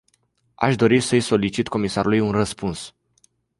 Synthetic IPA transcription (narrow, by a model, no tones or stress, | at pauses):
a̰ʃd̪o̞ɾisəjso̞lit͡ʃit̪ko̞misaɾulujunrəspuns